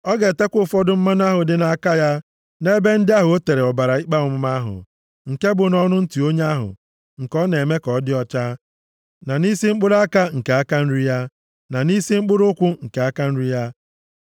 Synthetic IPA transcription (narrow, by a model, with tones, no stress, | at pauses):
ɔ˦ɡe˨te˦kʷʊ˦˨fɔ˦dʊ˦m̩˦ma˦n˦a˦ɦʊ˨dɪ˨na˨a˨ka˦ja˦ | ne˦be˦n̩˦dɪ˦a˦ɦʊ˨o˦te˨ɾe˨ɔ˨ba˨ɾa˨i˦k͡pa˦ʊ˨mʊ˦ma˦ɦʊ̰˨ | ŋ̩˨ke˦bʊ˨nɔ˦nʊ˦n̩˦ti˨o˦ɲ˦a˦ɦʊ̰˨ | ŋ̩˨kɔ˦ne˨me˦kɔ˨˦dɪ˦ɔ˦t͡ʃa˦ | na˨ni˦si˦ŋ͡m̩˦k͡pʊ˦ɾa˦ka˦ŋ̩˨ke˨a˦ka˦n̩˦ɾi˦ja˦ | na˨ni˦si˦ŋ͡m̩˦k͡pʊ˦ɾʊ˦kʷʊ˦ŋ̩˨ke˨a˦ka˦n̩˦ɾi˦ja˦